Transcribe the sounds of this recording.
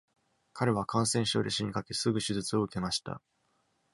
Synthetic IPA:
kʰaɾe̞β̞akʰãɰ̃sẽ̞ɰ̃ɕo̞ːd̪e̞ɕiɲ̟ikake̞sɨɡɯ̟ɕɨzɨt͡sɨo̞ɯ̟ke̞maɕi̥t̪a̰

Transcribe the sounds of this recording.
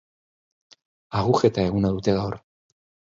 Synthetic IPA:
aɣuxe̞t̪ae̞ɣunaðut̪e̞ɣaor

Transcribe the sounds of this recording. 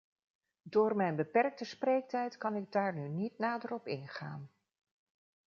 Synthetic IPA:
dʊːrmɛjnbəpɛrk̚təsprejk̚tɛjtkɑnɪɡ̚daːɹnynitnaːdəɾɔpɪnχaːn

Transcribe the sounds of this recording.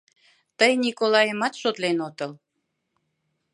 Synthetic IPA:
t̪əjnʲikolɑjəmɑt̪ʃot̪lenot̪əl

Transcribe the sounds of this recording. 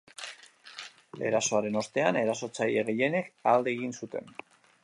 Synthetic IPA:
e̞̰ɾaso̞aɾe̞no̞st̪e̞ane̞ɾaso̞t͡sajeɣeʎe̞ne̞kald̪e̞ːɣinsut̪e̞̰n

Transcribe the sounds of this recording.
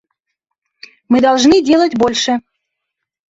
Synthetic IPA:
mɨd̪ɑlˠʐnɨdʲelˠətʲbolʲʂə

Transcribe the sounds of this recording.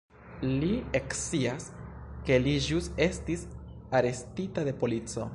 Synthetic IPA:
liekt͡siaske̞liʒuse̞stis | aɾe̞stitade̞po̞lit͡so̞̰

